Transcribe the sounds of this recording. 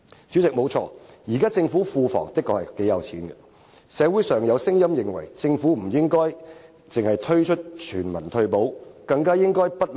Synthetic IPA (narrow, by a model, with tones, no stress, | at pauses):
t͡syː˨˥t͡sɪ˨k̚mo˨˧wt͡ʃʰɔ̰ː˧jiː˨˩kaː˥t͡sɪ˧ŋfuː˨˥fuː˧fɔ̰ː˨˩ŋt̪ɪ˥kːɔː˧hɐ˨˩ke˨˥jɐ˨˧wt͡sʰiː˨˥nɡɐ̰˧ | sɛː˨˧wu˨˥jsœː˨ŋjɐ˨˧wsɪ˥ŋjɐ˥mjɪ˨˩ŋwɐ̰˨˩jt͡sɪ˧ŋfuː˨˥m̩˨˩jɪ˥ŋkɔː˥j | t͡sɪ˨ŋhɐ˨jt̪ʰɵ˥ɥt͡ʃʰt̚t͡ʃʰyː˨˩nmɐ˨˩nt̪ʰɵ˧ɥpo˨˥wkɐ˧ŋkaː˥jɪ˥ŋkɔː˥jpɐ˥t̚l